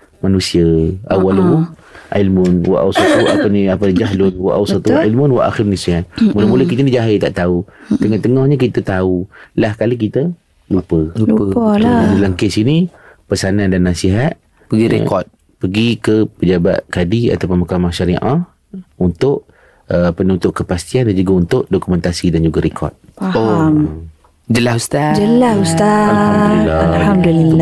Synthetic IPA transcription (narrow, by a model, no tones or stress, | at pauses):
manũsiəawalu | ʕilmʊnwa̰ʔawsɔt̪uaəniapənid͡ʒaɦlʊnwa̰ʔawsat̪uilmʊnwaʔa̰xɪɾnisiɦanmulamuləkit̪anid͡ʒaɦɪt̪a̰ʔt̪aut̪əŋɔt̪əŋɔhɲək̬it̪ət̪aulahkalikit̪ə | lupəu | ulaŋkesinipəsanãndanːasiɦat̪̚ | pəɡiɾḛkɔt̪̚ | pəɡikəpəd͡ʒaba̰t̪̚kadia̰t̪apʊnmakamaʃaɾiʔah | unt̪ʊʔ | əpənunt̪ʊʔkəpast̪iandand͡ʒuɡaunt̪ʊʔdɔkumɛ̃nt̪asidand͡ʒuɡaɾekʰɔ̰rt̪̚faoam | d͡ʒəlahust̪ad͡ʒəlahust̪a | laamdulilːa